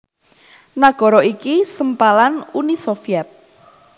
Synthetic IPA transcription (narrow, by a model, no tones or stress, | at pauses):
naɡ̥ɔ̤ɾɔikisəmpalanunisofiɛt̪̚